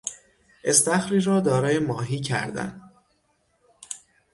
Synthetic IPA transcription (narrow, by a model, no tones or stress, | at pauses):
ʔe̞st̪æxɾiːɾɒːd̪ɒːɾɒːje̞mɒːɦiːcʰæ̰ɾd̪æ̰n